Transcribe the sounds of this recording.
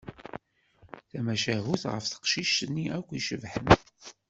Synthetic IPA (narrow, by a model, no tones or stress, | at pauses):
θæmæʃæɦuθʁə̰fθə̥qʃiʃənːiækʷːiʃəvħən